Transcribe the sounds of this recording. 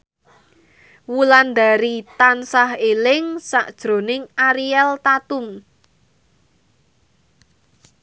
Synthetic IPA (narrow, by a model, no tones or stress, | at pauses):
wuland̪a̤ɾit̪ansahelɪŋsa̰ʔd̥ʒ̥ɾo̤nɪŋaɾiɛlt̪at̪um